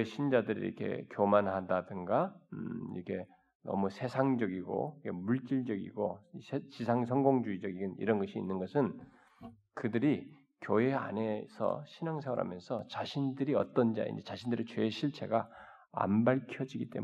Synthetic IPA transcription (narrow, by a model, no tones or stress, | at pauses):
eɕʰind͡ʑadɯɾḭɾʌ̰kʰe̞̰kjomanɦadadɯŋɡaḭɾʌkʰe̞ | nʌ̰musʰe̞sʰaŋd͡ʑʌɡiɡo̰ikʰemuɭt͡ɕ͈iɭd͡ʑʌɡḭɡosʰet͡ɕisʰaŋsʰʌŋɡoŋd͡ʑuid͡ʑʌɡiɡɯnḭɾʌnɡʌɕʰiːnːɯnɡʌsʰɯn | kɯdɯɾi | kjoe̞a̰nesʰʌ̰ɕʰinaŋsʰaŋɯɾa̰mjʌnsʰʌt͡ɕaɕʰindɯɾiʌ̰t͈ʌnd͡ʑa̰ḭnd͡ʑit͡ɕaɕʰindɯɾet͡ɕweːɕʰiɭt͡ɕʰe̞̰ɡa | a̰nbaɭkʰjʌd͡ʑiɡit͈e̞m